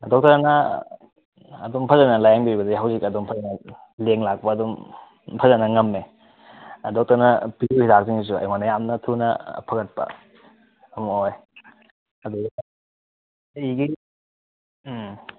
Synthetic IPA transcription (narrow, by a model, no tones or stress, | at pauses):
dɔk̚tɐɾnɐ | dumpʰɐzɐnɐlajaŋbibɐdiɦawzikɐdumpʰɐzɐnɐ | leŋlak̚pɐːdum | pʰɐzɐnɐŋɐmːe | dɔk̚tɐɾnɐpiduhidak̚ziŋis̬uɐ̰jŋanɐjamnɐtʰunɐ̰pʰɐɡɐt̚pɐ̰ | ɐmɐoj | ɐduɡ | iɡi